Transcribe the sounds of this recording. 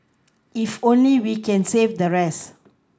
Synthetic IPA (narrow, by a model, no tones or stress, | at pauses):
ifõnliwikɛ̃nsevdəɹɛs